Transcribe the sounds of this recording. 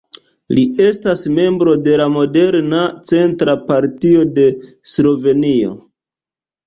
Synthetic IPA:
lie̞stasme̞mbɾo̞de̞lamo̞de̞ɾnat͡se̞ntɾapaɾtio̞de̞slo̞ve̞nio̞̰

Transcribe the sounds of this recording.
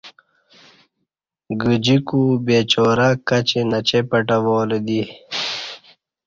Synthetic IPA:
ɡud͡ʑikubeːt͡ɕoːɾakɐt͡ɕenɐt͡ɕepɐʈɐʋoːled̪i

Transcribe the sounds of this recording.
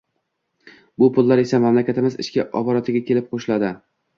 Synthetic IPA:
bʊpʰʊlˠːaɾe̞samamlakʲʰat̪ɪmɪzɪ̰ʃkʲɪʔɒbɒɾat̪ʰɪɡʲakʲe̞lɪp̚qʰoʃlad̪ɪ

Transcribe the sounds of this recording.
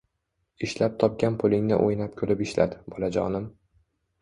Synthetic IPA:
ɪʃlap̚t̪ʰɒp̚kʲanpʰʊlˠɪŋnɪ̰ʔojnap̚kʲʰɵlɪpɪʃla̰d̪ɪb̥ɒlad͡ʒɒnɪm

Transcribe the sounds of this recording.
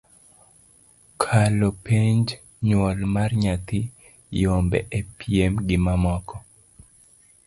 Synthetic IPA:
kʰalopeɲd͡ʒ | ɲwɔlmarɲat̪i | jombɛ̰ʔepiemɡɪmamɔkɔ

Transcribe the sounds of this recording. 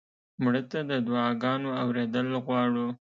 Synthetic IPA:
mɽət̪ad̪əd̪wɑɡɑnoawɾed̪əlɣwɑɽu

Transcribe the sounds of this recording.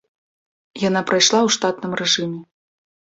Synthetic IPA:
jan̪apɾajʂlˠawʂt̪at̪̚nɨmrɛʐɨmʲɛ

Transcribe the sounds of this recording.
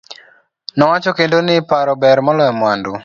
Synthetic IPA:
nɔwat͡ʃɔkendonɪpaɾɔbɛɾmɔlɔjɔmwandu

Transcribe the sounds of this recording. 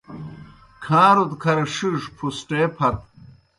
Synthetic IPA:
kʰãːɾut̪kʰɐɾɐʂiʂpʰusʈeːpʰɐt̪̚

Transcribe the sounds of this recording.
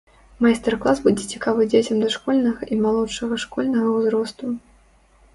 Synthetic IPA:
majst̪ɛrklˠasbud͡zʲɛt͡sʲi̥kavɨd͡zʲet͡sʲɐmd̪ɐʂkɔlʲnɐɣɐʔimalˠɔʂɐɣɐʂkɔlʲnɐɣɐwzɾɔst̪u

